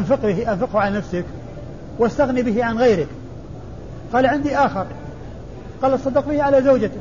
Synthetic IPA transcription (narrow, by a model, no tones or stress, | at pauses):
nfɪqbɪɦʔanfɪqhʕalanafsɪk | wʔast̪aɣnibɪɦɪʕanɣajɾɪk | qɑːlʕɪnd̪iʔaːxɪɾ | qɑːlʔɑt̪sˤɑd̪ːɪqbɪhʕalazawd͡ʒat̪